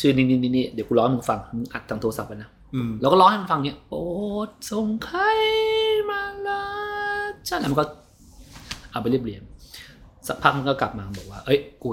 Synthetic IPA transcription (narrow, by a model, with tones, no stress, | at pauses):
t͡ɕʰɯː˧˩niː˧˩niː˧˩niː˧˩niː˥˩d̪i˨˦ku˧lɔː˦˥hm˧nfa˧ŋmɯ˧ŋʔa̰˨˩t̪ʰːaː˧ŋt̪ʰo˧sa˨˩p̚ʔa˧na˦˥˧ | lɛː˧˦˥wkɔː˥˩lɔ˦˥n˥˩ma˧nfa˧ŋni˥ɐpoː˨˩˨t̪̚so˨˩ŋkʰa˧˥jmaː˧˩la˦˧˥t͡ɕʰa˦˥˩lɛ˦˥m˧ŋkɔː˥˩ | ʔa˨˩pa˧li˥˩əpli˨˩ən | sa˨˩pʰa˦˥k̚ma˧nkɔː˥˩kla˨˩p̚maː˧bɔː˨˩k̚waː˥˩ʔɤ˦˥jkuː˧